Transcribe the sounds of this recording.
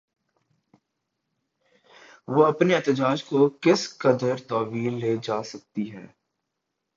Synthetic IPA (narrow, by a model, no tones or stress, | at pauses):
ʋoːɐpneɛːt̪əd͡ʒaːd͡ʒkokɪskɐd̪əɾt̪ɔːʋiːlːeːd͡ʒaːsɐk̚t̪iɦɛ̰ː